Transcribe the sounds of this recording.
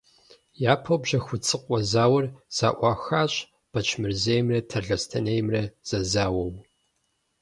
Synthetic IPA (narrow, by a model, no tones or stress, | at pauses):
jaːpʰɐwbʑɐxʷʊt͡sʼɨqʷʼɔzaːwɐrz̥aːʔʷɑːxaːɕʼ | b̥ɐt͡ʃʰmɨrzejmrɐtʰɐɮɐstʰɐnejmrɐz̥ɐzaːwɐw